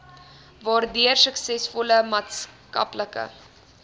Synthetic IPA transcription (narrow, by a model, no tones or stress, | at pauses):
vɑːrdyərsəksɛsfɔləmɑːtskɐ̰pləkə̰